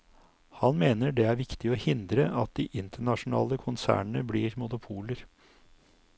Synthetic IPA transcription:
hɑnmeːnəɖɛæɾʋɪkt̪ɪɔhɪnd̪ɾəʔɑt̪̚d̪iːʔɪnt̪ʰəɳɑʂʊnɑ̰ːləkʰʊnsæ̰ːɳɳəbliːɾmʊnʊpʰuːləɾ

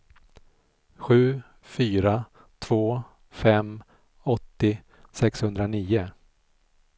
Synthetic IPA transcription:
ɧʉ̟ː | fyːɾa | t̪ʰv̥oː | fɛm | ɔt̪ːɪ | sɛkshɵnd̪ɾaniːʊ

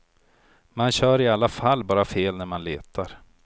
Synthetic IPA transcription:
manɕœːɾɪalːafalːbɑːɾafeːlnæɾmanleːt̪ʰaɾ

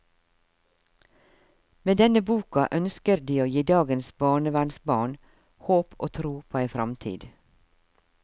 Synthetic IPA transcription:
meːd̪ɛnəbuːkɑʔœnskəɾd̪iːoːjiːd̪ɑːɡənsbɑːɳəʋæɳsbɑːɳ | hoːpʰʔo̰ːt̪ʰɾuːpʰoːæɪfɾɑmt̪ʰḭːd̪

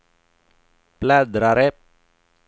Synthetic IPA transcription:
plad̪ɾaɾɛp̚

